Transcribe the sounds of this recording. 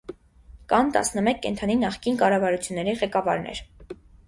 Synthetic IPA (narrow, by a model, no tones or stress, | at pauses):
kɑnt̪ɑ̰snəmɛkʰːɛ̰nt̪ʰɑninɑχkinkɑrɑvɑɾut͡sʰjunːɛɾiʁɛkɑvɑɾnɛ̰ɾ